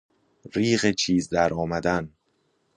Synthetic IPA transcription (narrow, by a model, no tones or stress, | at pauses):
ɾiːɣet͡ʃʰiːzd̪æɾʔɒːmæd̪æn